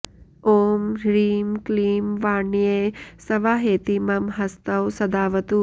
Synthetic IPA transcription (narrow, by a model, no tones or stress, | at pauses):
oːmɾiːmkliːmʋaːɳijeːsɐʋaːɦeːt̪imɐmɦɐst̪ɐwsɐd̪aːʋɐt̪u